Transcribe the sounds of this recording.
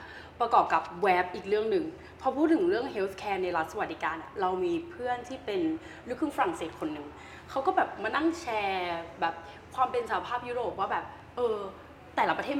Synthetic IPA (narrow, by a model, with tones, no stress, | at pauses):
pɾa˧kɔː˨˩p̚ka˨˩p̚wɛː˦˥p̚ʔiː˨˩k̚ɾɯ˥˩əŋnɯ˨˩ŋ | pʰɔ˧pʰuː˥˩ɯ˨˩˦ɾɯ˥˩əŋɦe˦˥wt̪̚ʰkʰɛː˧˦˥na˧jɾa˦t̪̚sa˧wa˨˩t̪̚diː˧kaː˧nʔa˨˩ɾa˧wmiː˧pʰɯ˥˩ənt̪ʰiː˥˩pe˧n | ɾɯ˥˩kʰɯ˥˩ŋfa˧ɾa˨˩ŋseː˨˩t̪̚kʰo˧nːɯ˨˩ŋ | kʰa˦˥wkɔː˥˩bɛː˨˩p̚maː˧na˥˩ŋt͡ɕʰɛː˧bɛː˨˩p̚ | kʰwaː˧mpe˧nsa˧˩a˧pʰaː˥˩p̚ju˦˥ɾoː˨˩p̚waː˥˩bɛː˨˩p̚ | ʔɤː˧ | t̪ɛː˨˩la˦˥pɾʰeː˥˩t̚